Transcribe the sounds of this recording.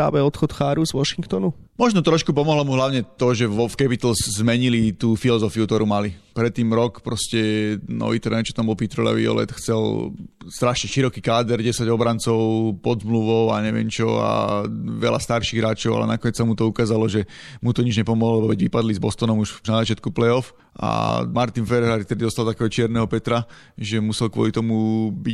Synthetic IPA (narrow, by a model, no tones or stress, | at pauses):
a̰ːʋɛɔt̪xɔt̪xaːɾuzʋɔʃiŋkt̪ɔnumɔʒnɔt̪ɾɔʃkup̬ɔmɔɦlɔmuɦlaʊɲɛt̪ɔʒɛʋɔfkɛpit̪l̩zzmɛɲilit̪uːfilɔzɔfiukt̪ɔɾumalipɾɛt̪ːiːmɾɔkpɾɔscɛnɔ̰ʋit̪ɾɛnɛt͡ʃɔ̥t̪ambɔlpit̪ɾɔla̰ʋḭɔ̰lɛ̰t̪xt͡sɛlst̪ɾaʃɲɛʃiɾɔkiːkaːd̪ɛɾɟɛsaɟɔbɾant͡sɔʊpɔd̪zmluʋɔʊaɲɛʋɪɛ̰mt͡ʃɔa̰ʋɛ̰la̰st̪aɾʃiːɣɦɾaːt͡ʃɔʊa̰lɛ̰nakɔɲɛt͡ssamut̪ɔukaːzalɔʒɛmut̪ɔɲid͡ʒɲɛpɔmɔɦlɛbɔʋɛɟʋipad̪lizbɔst̪ɔnɔmuʃnazat͡ʃɪat̪kuplɛɔf | ʔa̰maɾt̪infɛɾɛɦɾaɾikt̪ɛd̪idɔst̪alt̪akɛɦɔt͡ʃɪɛɾnɛɦɔpɛt̪ɾa | ʒɛmusɛlkʋɔ̰lit̪ɔmubi